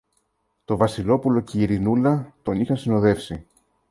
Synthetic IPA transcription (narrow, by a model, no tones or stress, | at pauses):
t̪o̞vɐsilo̞pulo̞ceːɾinulɐt̪o̞nixɐnsino̞ðe̞fsi